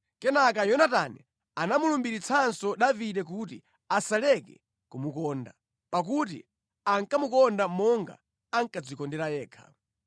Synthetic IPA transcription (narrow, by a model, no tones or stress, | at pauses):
kɛnak̬ajɔnatanɛ̰ | anamulumbiɾit͡sʰansɔɗaviɗɛk̬utḭ | asalɛkɛ̰ | kumukɔːnda | pak̬ut̬ḭ | aŋkamukɔndamɔŋɡa̰ | aŋkad͡zikɔndɛɾajɛːkʰa̰